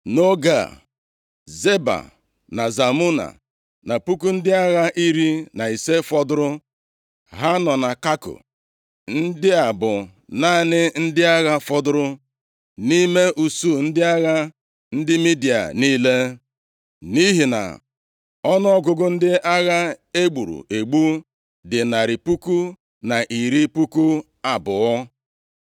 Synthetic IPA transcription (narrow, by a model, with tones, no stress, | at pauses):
no˦ɡa̰˨ | ze˦ba̰˨ | na˨za˨mu˦na̰˨ | na˨pu˦ku˦n̩˦dɪ˦a˦ɣa˦ʔi˦ɾi˦na˨i˨se˦fɔ˦dʊ˦ɾʊ˦ | ɦa˦nɔ˨na˨ka˦kʊ̰˨ | n̩˦dɪ˦a˨bʊ˨ | na˦˨nɪ˦n̩˦dɪ˦a˦ɣa˦fɔ˦dʊ˦ɾʊ˦ | ni˦me˦ʔu˨su˦˨n̩˦dɪ˦a˦ɣa˦ | n̩˦dɪ˦mi˦di˨a̰˨niː˦le˦ | ni˦ɦi˨na̰˨ | ɔ˦nʊ˦ɔ˦ɡʊ˨ɡʊ˦n̩˦dɪ˦ʔa˦ɣa˦e˦ɡ͡bu˨ɾṵ˨ʔe˨ɡ͡bu˦ | dɪ˨na˨ɾi˨pu˦ku˦ | na˨ʔi˨ɾi˦pu˦ku˦ | a˨bʊ˨ɔ˦